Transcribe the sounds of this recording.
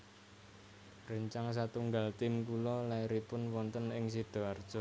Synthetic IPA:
rəɲt͡ʃaŋs̬at̪uŋɡalt̪ɪmkulɔlaiɾipʊnwɔnt̪ənɪŋs̬id̪̥ɔ̤ard̥ʒ̥ɔ̤

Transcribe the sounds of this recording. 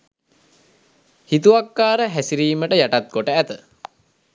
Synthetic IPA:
hit̪uakːaːɾəɦæsiɾiːməʈəjaʈat̪̚ɡoʈəæt̪ə

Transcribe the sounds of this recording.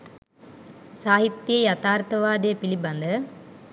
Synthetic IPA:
saːɦit̪ːjɐjɐt̪aːɾt̪ɐʋaːd̪ejːpilibɐnd̪ə

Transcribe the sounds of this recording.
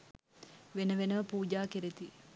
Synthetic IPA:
ʋenəʋenəʋəpuːd͡ʒaːkeɾet̪i

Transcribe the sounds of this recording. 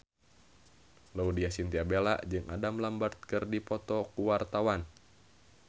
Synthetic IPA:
loudiasint̪iabela̰ʔd͡ʒɨŋʔadamlambart̪̚kɨrdipɔt̪ɔkuwart̪awan

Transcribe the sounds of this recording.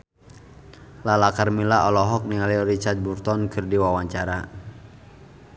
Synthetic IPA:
lalakarmilaɔlɔɦɔk̚niŋaliɔɾit͡ʃat̪̚burt̪ɔnkɨrdiwawaɲt͡ʃaɾa

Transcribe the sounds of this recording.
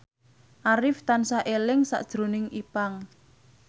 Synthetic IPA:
ʔaɾɪft̪ansaʔelɪŋsa̰ʔd̥ʒ̥ɾo̤nɪŋʔipaŋ

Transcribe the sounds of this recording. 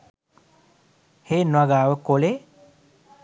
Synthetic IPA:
heːnwaɡaːʋəkole

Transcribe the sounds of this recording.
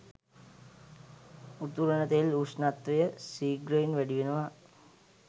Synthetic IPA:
ut̪uɾənət̪eluʂnat̪ʋejəsiːɡɾəinʋæɖiʋenəʋa

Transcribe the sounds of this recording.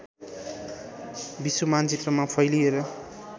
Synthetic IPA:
bisumant͡sit̪rʌmapʰʌjlieɾʌ

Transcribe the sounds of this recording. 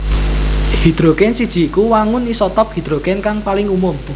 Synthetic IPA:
hid̪̥ɾokɛnsid̥ʒ̥i̤ikuwaŋʊnisɔt̪ɔp̚hi̤d̪̥ɾokɛnkaŋpalɪŋumʊm

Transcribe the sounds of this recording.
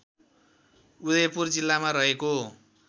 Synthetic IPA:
ud̪ʌjpurd͡zilːamaɾʌɦeko

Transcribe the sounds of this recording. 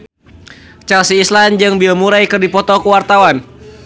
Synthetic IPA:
t͡ʃalsiːsland͡ʒɨŋbilmuɾajkɨrdipɔt̪ɔkuwart̪awan

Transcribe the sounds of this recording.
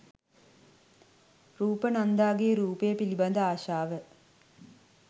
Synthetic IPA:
ruːpənand̪aːɡeɾuːpejəpilibɐnd̪əaːʃaːʋə

